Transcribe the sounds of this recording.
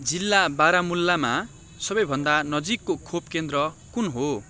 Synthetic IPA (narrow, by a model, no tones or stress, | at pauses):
d͡zilːabaɾamulːama | sʌbʌjbʱʌnd̪anʌd͡zikːokʰop̚kend̪rʌkunɦo